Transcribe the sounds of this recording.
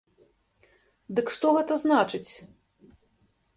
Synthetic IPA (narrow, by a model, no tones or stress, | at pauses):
d̪ɨkʂt̪ɔɣɛt̪ɐznat͡ʂɨt͡sʲ